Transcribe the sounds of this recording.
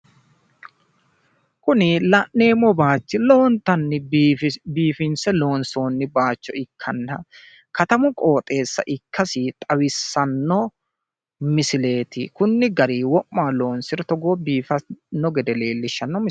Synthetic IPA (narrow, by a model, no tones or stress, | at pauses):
kʊnɪlɐʔnːe̞ːmːɔbaːt͡ʃːɪlo̞ːnt̪ɐnːɪ | biːfɪnsɛlo̞ːnso̞ːnːɪbaːt͡ʃːɔɪkʰːɐnːɐ | kɐt̪ɐmʊkʼo̞ːt̪ʼe̞ːsːɐ̰ʔɪkʰːɐsɪt̪ʼɐwɪsːɐnːɔ | mɪsɪle̞ːt̪ɪkʊnːɪɡɐɾiːwɔʔːaːlo̞ːnsɪɾɛt̪ɔɡo̞ːbiːfɐnɔɡɛd̪ɛle̞ːlːɪʃːɐnːɔmɪ